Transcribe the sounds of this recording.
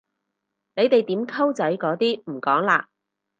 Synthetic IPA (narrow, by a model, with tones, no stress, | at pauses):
ne˨˧jt̪e˨jt̪iː˨˥mkʰɐ˥wt͡sɐ˨˥jkɔː˨˥t̪iː˥m̩˨˩kɔː˨˥ŋla̰ː˧